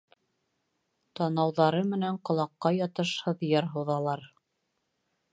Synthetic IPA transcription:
t̪ɑnɑwðɑɾɤmɘ̆næɴqŏlˠɑqːɑjɑt̪ɤʃhɤðjɑɾɦɤ̆ðɑlˠɑɾ

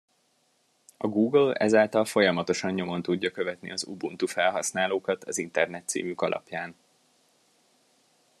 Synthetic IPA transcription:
ɒɡuːɡlɛzaːlt̪ɒlfo̞jɒmɒt̪o̞ʃɒɲɲo̞mo̞nt̪uɟːɒkøvɛt̪nḭɒzṵbunt̪ufɛlɦɒsnaːloːkɒt̪ʰɒzint̪ɛrnɛt̪ːsḭːmykɒlʔɒ̰pjaːn

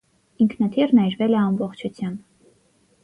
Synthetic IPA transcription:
iŋkʰnɑt̪ʰiɾnɑjɾvɛlɛɑmbɔχt͡ʃʰut͡sʰjɑmb

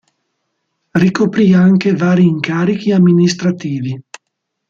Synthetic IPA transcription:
rikopɾiaŋkevaːɾiːŋkaːɾik̟iamːinist̪ɾat̪iːvi

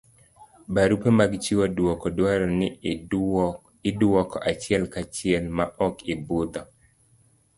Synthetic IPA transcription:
baɾupemaɡt͡ʃiwadwɔkɔdwaɾɔnɪ | ɪdwɔkɔʔat͡ʃɪɛlkat͡ʃɪɛlmaʔɔkɪbʊd̪ɔ

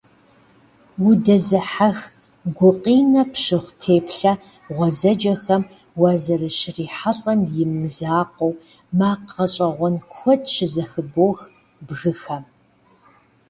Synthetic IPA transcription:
wʊdɐzɨħax | ɡʷʊqʼiːnɐpʃɨχʷtʰeːpɬɐ | ʁʷɔzɐd͡ʒɐxɐm | wɐzɐrɨʃriːħaɬʼɐmjɪmːzaːqʷɔw | maːqʰɐɕʼɐʁʷɔnkʷʰɔdʃɪzɐxɨboːx | bɣɨxɐm

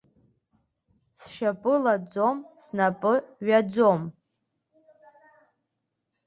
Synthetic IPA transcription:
sʃapʼɨlad͡zo̞msnapʼɨɥad͡zo̞m

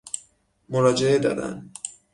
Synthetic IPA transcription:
moɾɒːd͡ʒeed̪ɒ̰ːd̪æ̰n

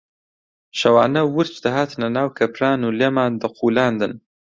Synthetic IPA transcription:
ʃɐwaːnɐwʊɾt͡ʃd̪ɐɦaːt̪nɐnaːwkʰɐpɾaːnuːleːmaːnd̪ɐqʰuːlaːnd̪ɨn

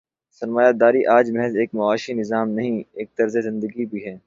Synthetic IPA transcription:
sɐɾmaːjaːd̪aːɾiʔaːd͡ʒmɛɦɛzeːkmʊaːʃinɪzaːmnɐɦĩeːk̚t̪ɐɾzezɪ̃nd̪əɡibʱiɦɛː

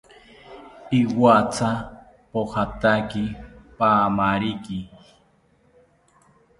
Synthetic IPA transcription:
iwat͡sa | pohat̪akipaːmaɾiki

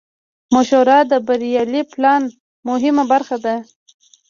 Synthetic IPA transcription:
mʊʃoɾɑd̪əbaɾijɑliplɑn | mʊɦɪmabaɾxad̪a

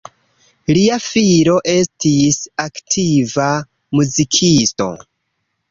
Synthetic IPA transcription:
liafiɾo̞ʔe̞stisaktʰiva | muzikʰisto̞̰

